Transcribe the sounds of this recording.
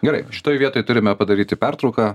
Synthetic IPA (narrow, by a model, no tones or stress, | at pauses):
ɡʲɛɾɐɪʃʲɪ̥t̪oːjʋʲiɛt̪oːjt̪ʊɾʲɪmʲɛpɐd̪ɐɾʲiːt̪ʲɪpʲært̪ɾɐʊkaː